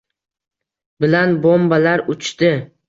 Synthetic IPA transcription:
bɪlanbombalaɾʊt͡ʃt̪ɪ

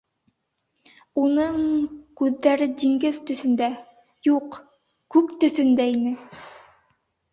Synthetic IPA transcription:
unɤɴkʉðːæɾɘd̪iŋɡɘðt̪ɵ̆θɵ̆nd̪æ | juq | kʉkt̪ɵ̆θɵ̆nd̪æinɘ

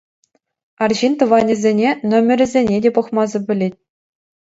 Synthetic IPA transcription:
ɑrʑint̪ɤ̆ʋɑnʲĭzʲenʲenomʲɘ̆rʲɘ̆zʲenʲedʲepɤ̆χmɑzɤ̆bʲɘ̆lʲetʲ

